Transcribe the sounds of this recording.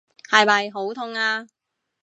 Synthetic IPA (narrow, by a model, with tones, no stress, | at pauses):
hɐ˨jmɐ˨jɦo˨˥wt̪ʰʊ˧ŋaː˧